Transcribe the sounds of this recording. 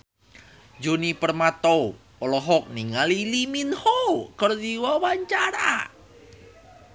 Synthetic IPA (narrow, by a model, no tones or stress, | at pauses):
d͡ʒonipərmat̪ow | pəlɔɦɔk̚niŋaliliminhokərd̪iwawaɲt͡ʃaɾa̰